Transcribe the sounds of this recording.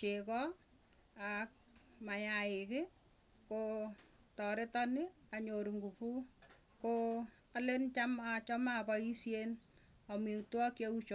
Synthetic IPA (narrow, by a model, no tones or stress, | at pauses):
t͡ʃekɔ | ak̚maɲaɪkɪ | ko | tɔɾɪtɔnɪ | aɲoɾuŋɡupu | ko | alent͡ʃamat͡ʃɔmapɔisjen | ɔmitwɔkjeut͡ʃo